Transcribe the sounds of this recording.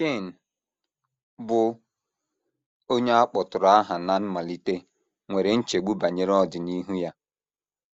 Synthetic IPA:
ke˦˨n̩˨ | bʊ˦ | o˦ɲe˦a˦k͡pɔ˨tʊ˨ɾa˨˦a˦ɦa˨na˦n̩˦ma˨li˨te˦ | ŋʷe˨ɾe˨n̩˦t͡ʃe˨ɡ͡bu˦ba˨ɲe˦ɾɔ˦dɪ˨ni˦ɦu˦ja˦

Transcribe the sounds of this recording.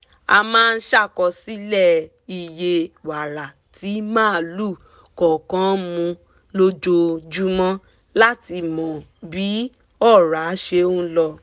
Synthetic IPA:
a˧mãː˦˧n̩˦ʃa˦˨kɔ˧si˦lɛ˦˨ | i˧je˧wa˨ɾa˨ | tʰi˨˦mãː˦˨lu˦˨ | kɔ˨kã˦mũ˧ | lo˦d͡ʒo˧d͡ʒu˦mɔ̃˦ | la˦ti˧mɔ̃˨bi˨˦ | ɔ˦˨ɾa˨˦ʃe˧o˦lɔ˧

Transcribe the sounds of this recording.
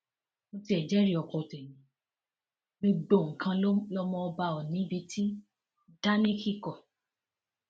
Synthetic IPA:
mo˧ti˧˦ɛ˨d͡ʒɛ˦ɾi˦˨ɔ˨kɔ˧te˨nĩ˨˦ | mĩ˧ɡ͡bo˨ŋ̩˨kʰã˧˦lɔ˦mɔ̃˧ɔ˧ba˧ɔ˨nĩ˨˦bi˧tʰi˦ | da˦nĩ˦ki˦˨kɔ˨

